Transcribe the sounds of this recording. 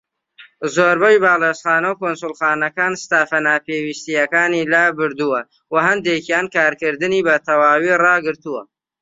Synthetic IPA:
zoːɾbɐjbaːlesχɑːnɐwkonsʊlˠxɑːnɐkaːnst̪aːfɐnaːpeːwist̪ijɐkaːniːlabɨɾd̪uwɐ | wɐɦɐnd̪ekjaːnkaːɾkɨɾd̪ɨniːbɐt̪ʰɐwaːwirɑːɡɨɾt̪uwɐ

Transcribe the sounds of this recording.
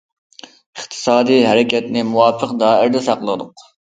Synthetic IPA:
əχt̪ʰɨ̥sɑːd̪ijɦɛɾɪkʲɛt̪nɪmuwɑːpʰəqd̪ɑːɪɾd̪ɛsɑqlˠəd̪ʊq

